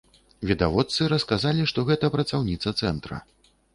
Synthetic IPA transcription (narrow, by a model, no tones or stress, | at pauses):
vʲid̪avɔt̪sɨɾɐskazalʲiʂt̪ɔɣɛt̪ɐpɾɐt̪sawnʲit̪sɐt̪sɛnt̪ɾɐ̰